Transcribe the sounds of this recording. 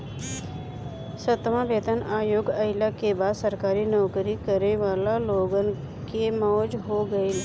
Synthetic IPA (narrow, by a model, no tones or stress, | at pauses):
sət̪mãbeːt̪ənaːjoːɡɐɪlakebaːd̪səɾkaːɾinɔːkɾikəɾneʋaːlaloːɡən | kemɔːd͡ʒɦoɡəel